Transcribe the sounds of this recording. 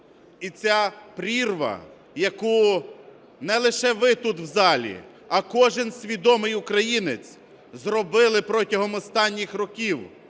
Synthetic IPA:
it͡sʲapɾʲirʋɐ̰ | jɐku | nɛlˠɪʃɛʋɪt̪ut̪wzɑlʲḭ | ɐkɔʒɪnsʲʋʲid̪ɔmɪjʊkɾɐjinɪt͡sʲ | zrɔbɪlˠɪpɾɔtʲɐɦɔmɔst̪ɑnʲːixrɔkʲiw

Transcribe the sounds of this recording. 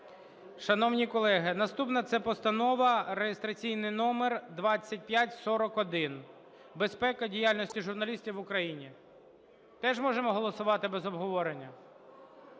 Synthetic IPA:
ʃɐnɔwnʲikɔlˠɛɦɪnɐst̪upnɐt̪sɛpɔst̪ɐnɔʋɐɾejest̪ɾɐt͡sʲijnɪjnɔmerd̪ʋɑt͡sʲːɐt̚ʲpʲjatʲsɔɾɔkɔd̪ɪn | bespɛkɐdʲijalʲnɔsʲtʲiʒʊrnɐlʲisʲtʲiwʊkɾɐjinʲi | t̪ɛʒmɔʒemɔɦɔlˠɔsʊʋɑt̪ɪbezɔbɦɔʋɔɾenʲːɐ

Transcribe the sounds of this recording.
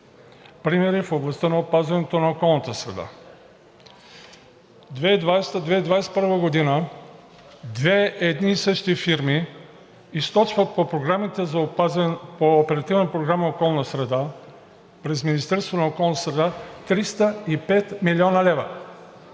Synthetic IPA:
pɾimɛɾifoblˠɐst̪ənɐopazvɐnɛt̪onɐokɔlˠnət̪əsɾɛ̰d̪a̰ | d̪vɛid̪vajst̪əd̪vɛid̪vajst̪̚pəɾvəɡod̪inə | d̪vɛɛd̪nisəʃt̪ifiɾmiː | st̪ɔt͡ʃvət̪̚popɾoɡɾamit̪ɛz | poːpɛɾɐt̪ivnəpɾoɡɾaməokɔlˠnəsɾɛd̪a | pɾɛzminist̪ɛɾst̪vonɐokɔlˠnət̪əsɾɛd̪at̪ɾist̪əipɛt̪miliɔnəlɛvə̰

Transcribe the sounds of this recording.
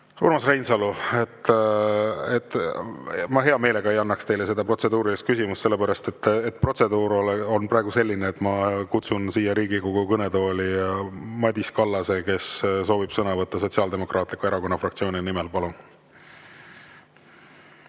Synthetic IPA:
ṵɾmɑsrejnsɑluet̪ː | et̪ː | mɑɦe̞ɑme̞ːle̞ɡ̥ɑe̞jɑnːɑkst̪e̞jlese̞d̪ɑpro̞t̪se̞d̪uːɾilist̪̚kysimusselːe̞pæɾɑst̪e̞t̪ːet̪̚ːpro̞t̪se̞d̪uːɾoleo̞nprɑˑeɡ̥use̞lʲːineːt̪ːˑmɑkut̪sunsiːjɑɾiːɡikoɡukɤne̞d̪o̞ːlʲimɑd̪ʲiskɑlːɑse̞ke̞sso̞ːvib̥sɤnɑvɤt̪ːɑso̞t̪ʲsiɑld̪e̞mo̞krʔɑːt̪ˑlikueɾɑko̞nːɑfrɑkt̪sio̞ːninimelpɑlun

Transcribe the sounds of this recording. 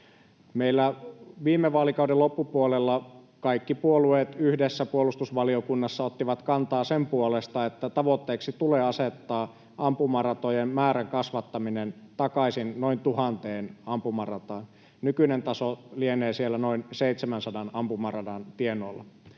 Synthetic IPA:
meilːæʋiːmːeʋɑːlikɑudelopːupuolelːɑ | kɑikːipuolueːt̪yhdesːæpuolust̪usʋɑliokunːɑsːɑot̪ːiʋɑt̪kɑnt̪ɑːsempuolest̪ɑet̪ːæt̪ɑʋot̪ːeːksit̪uleːɑset̪ːɑː | ʔɑmpumɑrɑt̪ojemmæːɾæŋkɑsʋɑt̪ːɑminent̪ɑkɑsinnoint̪uhɑnt̪eːnɑmpumɑrɑt̪ɑːn | nykynent̪ɑsolieneːsielːænoinseit̪semænsɑdɑnɑmpumɑrɑdɑnt̪ienoːlːɑ

